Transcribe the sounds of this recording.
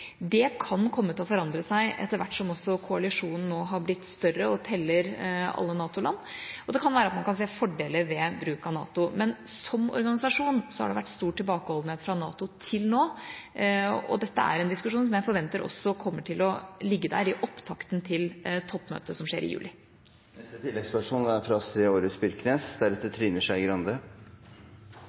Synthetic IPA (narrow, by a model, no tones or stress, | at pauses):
d̪ɛkʰɑnkʰɔmːət̪ʰɪlɔfɔɾɑnd̪ɾəsæɪʔɛ̰t̪ːəɾʋæ̰ʈːʂɔmɔsːɔkʰʊɑlɪʂuːnn̩nːoːɦɑɾblɪt̪ːst̪œrəɔt̪ʰɛlːəɾɑ̰lːənɑːt̪ʊlɑ̰nːʔɔd̪ɛkʰɑnʋæːɾəɑt̪mɑnkɑns̬eːfɔɖeːləʋɛbɾʉːkɑnɑ̰ːt̪ʊmɛnsɔmɔ̰ɾɡɑnɪsɑʂuːnsɔhɑ̰ɖɛʋæʈːst̪uːʈʰːɪlbɑːkəhɔːld̪n̩heːt̪fɾɑnɑ̰ːt̪ʊt̪ʰɪlnoː | ɔ̰d̪ɛt̪ːəæ̰ɾɛnd̪ɪskʉʂuːnsɔmjæɪfɔɾʋɛnt̪əɾɔ̰sːɔkʰɔmːəʈʰɪlɔlɪɡːəd̪æ̰ːɾɪʔɔpt̪ʰɑkt̪nt̪ʰɪlt̪ʰɔpːmø̰ːt̪əsɔmʂḛːɾɪ̰jʉ̰ːlɪ | nɛst̪ət̪ʰɪlːɛɡspæʂuːnæɾfɾɑsɾeːoːɾəsbʏɾkneːsd̪æɾɛt̪ːət̪ʰɾyːnəʂæɪɡɾɑnd̪ə